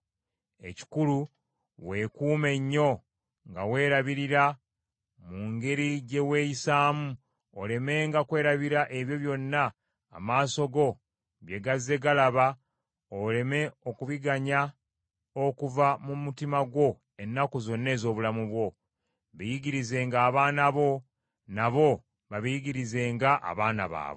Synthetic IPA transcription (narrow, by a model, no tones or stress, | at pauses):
e̞ci̥kulu | we̞kuːme̞ɲːo̞ | ŋɡawe̞ːɾaβiɾiɾa | muːŋɡe̞ɾiɟe̞we̞jisaːmu | ole̞me̞ŋɡakwe̞ːɾaβiɾaʔe̞βjo̞βjo̞nːa̰ː | maːso̞ɡo̞ | βje̞ɡazːe̞ɡalaβa | ole̞me̞o̞kuβiɡaɲa | okuvamumutimaɡwo̞ | e̞nːakuzo̞nːe̞ːzo̞ːβulamuβwo̞ | βejiɡiɾize̞ːŋɡaːβaːnaβo̞ | naβo̞ | βaβijiɡiɾize̞ːŋɡaʔa̰βaːna̰βa̰ːβo